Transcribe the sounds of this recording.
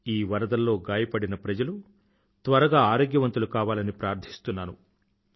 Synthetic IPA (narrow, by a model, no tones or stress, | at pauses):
iːʋɐɾɐd̪ɐlːo̞ːɡaːjɐpɐɽinɐpɾɐd͡ʒɐlu | t̪ʋɐɾɐɡaːaːɾoːɡjɐʋɐnt̪ulukaːʋaːlɐnipɾaːɾd̪ʰʱi̥st̪unːaːnu